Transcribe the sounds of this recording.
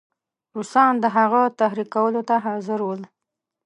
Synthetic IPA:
ɾusɑnd̪əɦaɣat̪ahɾikawəlot̪aɦɑzɪɾwəl

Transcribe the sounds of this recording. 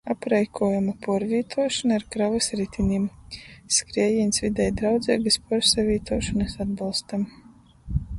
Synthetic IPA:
apɾajkʰuɔjamapɔɔɾvʲiːt̪ʰuɔʃɔnaɾkɾavɨsɾit̪ʲʰinʲimskɾiɛjinʲsvʲid̪ɛjd̪ɾawd̪zʲɛːɡɨspɔɾsavʲiːt̪uɔːʃɔnɨsad̪̚balˠst̪am

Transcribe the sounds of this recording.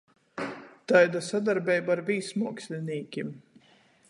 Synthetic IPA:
t̪ajd̪asad̪aɾbʲɛjbaɾviːsmuɔksʲlʲiniːkʲim

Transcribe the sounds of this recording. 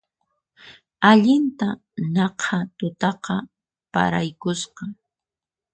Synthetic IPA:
aʎɪnt̪a | nɑqʰat̪ʊt̪ɑqɑ | pa̰ɾajkʊsqɑ

